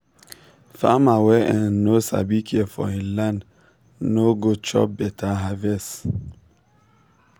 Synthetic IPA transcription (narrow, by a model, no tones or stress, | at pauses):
famawɛɛnosa̰bikʰjɛfɔ̰ĩlan | noɡot͡ʃɔ̰bɛtʰaɦavɛs